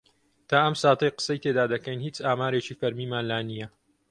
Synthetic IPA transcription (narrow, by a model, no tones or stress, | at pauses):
t̪ʰaːʔɐmsaːt̪ɐjqə̥sɐjt̪ʰeːd̪aːd̪ɐkɐjnhiːt͡saːmaːɾeːt͡ʃiːfɐɾmiːmaːnlaːnijɐ